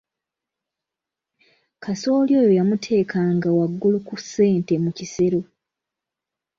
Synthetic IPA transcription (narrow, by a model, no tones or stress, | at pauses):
kʰaso̞ːljo̞ːjo̞jamutʰe̞ːkʰaŋɡawaɡːulukusːe̞ːnte̞mucise̞ɾo